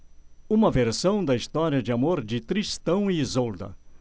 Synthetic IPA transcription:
ũmɐveɾsɐ̃w̃d̪ɐist̪ɔɾiɐd͡ʒɪamoɾd͡ʒɪt̪ɾist̪ɐ̃w̃izowd̪ɐ̰

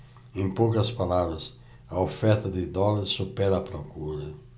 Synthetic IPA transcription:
ẽŋpowkɐspalabɾɐs | ɐofɛɾt̪ɐd̪ɪd̪ɔlɐɾsːupɛɾɐːpɾokuɾɐ

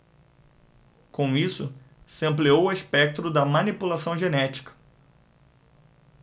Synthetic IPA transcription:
kõw̃isʊ | sɪɐ̃mpliowʊeʃpɛk̚t̪ɾʊd̪ɐmɐnipulasɐ̃w̃ʒenɛt͡ʃi̥kɐ̥

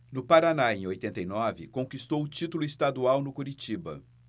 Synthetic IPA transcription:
nʊpaɾanaẽj̃ojt̪ẽnt̪ejnɔvɪkõkist̪owʊt͡ʃit̪ʊlʊɪst̪ad̪uawnʊkoɾit͡ʃibɐ̰

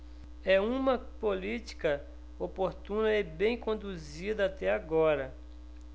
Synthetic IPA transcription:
ɛũmɐpolit͡ʃ̪i̥kɐ | opoɾt̪ũnɐebẽj̃kõd̪uzid̪ɐat̪ɛaɡɔɾɐ

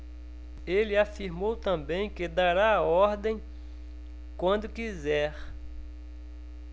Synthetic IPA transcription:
elɪafiɾmowt̪ɐ̃bẽj̃kɪd̪aɾaaɔɾd̪ẽj̃ | kwɐ̃nd̪ʊkizɛɾ

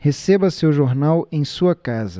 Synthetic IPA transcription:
hesebɐsewʒoɾnawẽj̃suɐkazɐ

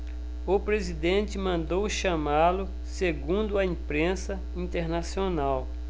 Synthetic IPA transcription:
ʊpɾezid̪ẽnt͡ʃɪmɐ̃nd̪owʃɐmalʊ | seɡũnd̪ʊɐĩpɾẽsɐ | ĩt̪eɾnasionaw

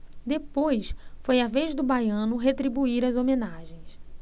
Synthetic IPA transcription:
d̪epojsfojaveʒd̪ʊbajɐ̃nʊɦet̪ɾibuiɾɐzomenaʒẽj̃s

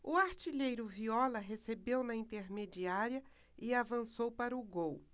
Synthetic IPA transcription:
ʊaɾt͡ʃiʎejɾʊviɔlɐɦesebewnɐĩnt̪eɾmed͡ʒiaɾiɐ | ɪavɐ̃sowpaɾɐʊɡow

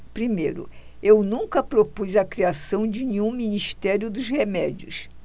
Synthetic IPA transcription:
pɾimejɾʊ̰ | ewnũŋkɐpɾopuzɐkɾiasɐ̃w̃d͡ʒɪnẽɲũminiʃt̪ɛɾjʊd̪ʊzhemɛd͡ʒiʊ̰s

